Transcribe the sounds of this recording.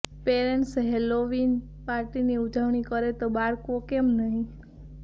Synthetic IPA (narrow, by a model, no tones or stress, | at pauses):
peɾeɳʈsɦeloʋin | paɾʈiniud͡ʒəʋɳikəɾet̪obaɾkokemnəɦĩ